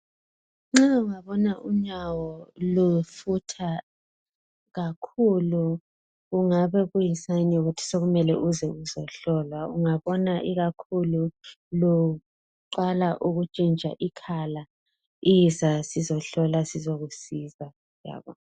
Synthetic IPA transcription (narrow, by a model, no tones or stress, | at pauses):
ŋ͡ǁauŋaβɔnaʔum̩ɲawɔlufutʰa | ɣakʰulu | ɣuŋaβɛβujisanɛuɣutʰi̥soɣumɛlɛ̰ʔuzɛuzɔɬɔlwauŋaβɔnaʔiɣakʰulu | lo | ǃalaʔuɣut͡ʃʼint͡ʃa̰ʔikʰala | izasizɔɬɔlasizɔɣusiza | ja̰ːβɔ̰